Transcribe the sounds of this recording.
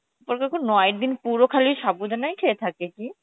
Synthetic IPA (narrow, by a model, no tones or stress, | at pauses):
poɾkakʰunnɔeɾd̪inpuɾokʰaliʃabud̪ʱanajkʰeet̪ʰakeki